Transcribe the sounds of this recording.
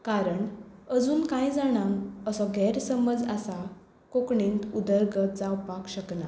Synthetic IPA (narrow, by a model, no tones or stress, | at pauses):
kaɾəɳəd͡zuːnkãjd͡zaɽ̃ãŋɡəsɔɡɛɾsəməd͡zasa | kokɳẽnt̪ud̪əɾɡət̪d͡zawpakɕəkna